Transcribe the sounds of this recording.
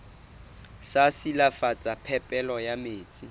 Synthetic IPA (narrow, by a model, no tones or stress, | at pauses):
sasilafat͡sʼapʰɛpʼɛlɔjameːt͡sʼi